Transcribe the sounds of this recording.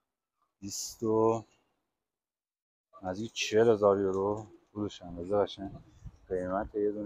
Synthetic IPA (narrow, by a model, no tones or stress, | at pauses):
bist̪o | næzict͡ʃʰeelhezɒːɾjoɾobuɾuʃændæzeɣæʃæn | ɢejmæt̪ʰejed̪un